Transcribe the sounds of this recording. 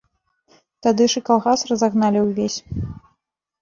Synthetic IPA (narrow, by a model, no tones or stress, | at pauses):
t̪ad̪ɨʂɨkalˠɣasrɐzaɣnalʲiwvʲesʲ